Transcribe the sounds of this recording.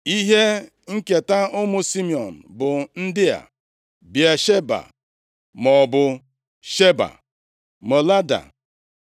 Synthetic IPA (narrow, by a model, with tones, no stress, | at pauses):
i˦ɦe˦ | ŋ̩˦ke˨ta˦ʊ˦mʊ˦si˦mi˨ɔ˨n̩˨bʊ˨n̩˦dɪ˦a̰˨ | bi˨a˨ʃe˦ba̰˨ | mɔ˨bʊ˨ | ʃe˦ba̰˨ | mo˨la˦da̰˨